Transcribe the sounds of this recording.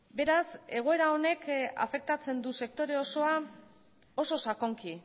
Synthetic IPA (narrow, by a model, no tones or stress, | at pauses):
be̞ɾase̞ɣ̞o̞e̞ɾao̞ne̞ka̰fe̞k̚t̪at͡se̞nd̪use̞k̚t̪o̞ɾe̞o̞so̞a | o̞so̞sako̞ŋki